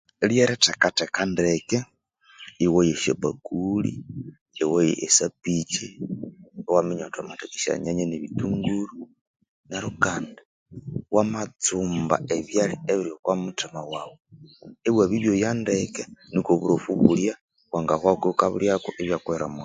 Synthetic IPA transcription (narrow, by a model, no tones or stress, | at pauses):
eljeɾetekatekandeke | iwojeʃabakulḭ | ewojḛʔːsapit͡ʃi | wamiɲotwamatekiʃa̰ɲaɲeneβituŋɡuɾu | neɾukanda | wʔamat͡suːmba̰ʔeβjalieβiɾjokwamutimawawoeβwaβiβjojandekenikoβuɾofuβulja | waŋɡakwakokaβṵljakoʔeβjakweɾamu